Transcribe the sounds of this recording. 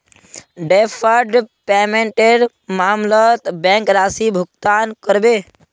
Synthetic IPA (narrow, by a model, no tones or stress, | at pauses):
ɖepʰəɾɖpɛːmẽɳʈeɖ | maːmlət̪bɛ̃ŋkɾaːsibʱʊk̚t̪aːnkəɾbeː